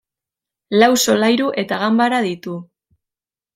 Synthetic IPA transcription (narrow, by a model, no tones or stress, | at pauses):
lawso̞lajɾuʔe̞t̪aɣambaɾaðit̪u